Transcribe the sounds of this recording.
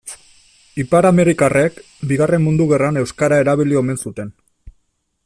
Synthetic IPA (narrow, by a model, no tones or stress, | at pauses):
ipaɾame̞ɾikarek | biɣare̞mːund̪uɣe̞rane̞wskaɾae̞ɾaβ̞ilio̞me̞nsut̪e̞n